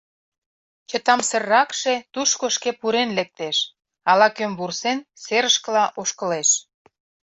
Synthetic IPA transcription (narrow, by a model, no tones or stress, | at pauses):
t͡ɕə̆t̪ɑmsə̆rːɑkʃe̽t̪uʃkoʃkepuɾenlek̚t̪eʃ | ɑlɑkømβursenseɾəʃkə̆lɑʔoʃkə̆leʃ